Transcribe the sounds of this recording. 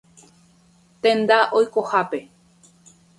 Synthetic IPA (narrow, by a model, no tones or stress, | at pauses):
t̪ẽ̞nd̪aʔojko̞hape̞